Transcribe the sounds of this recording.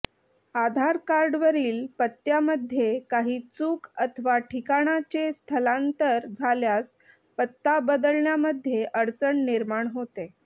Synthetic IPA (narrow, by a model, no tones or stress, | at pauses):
ad̪ʱaɾkaɾɖʋəɾiːlpət̪ːjaməd̪ʱːjekaɦiːt͡suːkət̪ʰəʋaʈʰikaɽ̃at͡ɕest̪ʰəlãnt̪əɾd͡zʱaljas | pət̪ːabəd̪əlɳjaməd̪ʱːjeʔəɾt͡səɳniɾmaɳɦot̪e